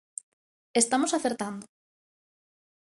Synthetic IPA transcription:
est̪amosaθeɾt̪and̪o

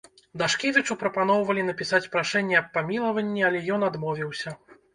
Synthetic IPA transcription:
d̪aʂkʲevʲit͡ʂupɾɐpan̪ɔwvɐlʲin̪ɐpʲisat͡sʲpɾaʂɛnʲːɛɐpːamʲilˠɐvɐnʲːiɐlʲɛjɔn̪ad̪mɔvʲiwsʲɐ

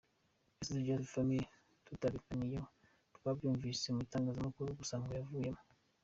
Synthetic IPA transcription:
esituɾɟaɾufame | tutaβikanijo | tukabjuːɱvisemuitaːŋɡaːzamakuɾuɡusaːŋɡojavuːje̞mo

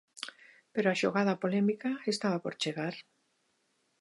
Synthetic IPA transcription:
peɾoaʃoɣað̞apolemikaest̪aβapoɾt͡ʃeɣaɾ

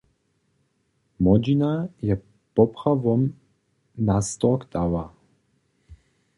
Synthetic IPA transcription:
mɔd͡ʒinajɛ | pɔpχavɔm | nast̪ɔɔkt̪ava

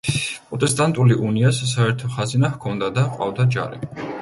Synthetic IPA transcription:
pʼɾɔt̪ʼɛst̪ʼant̪ʼuliʔuniassaɛɾt̪ʰɔχazinahkʰɔnd̪ad̪aqʼwa̰vd̪ad͡ʒa̰ɾḭ

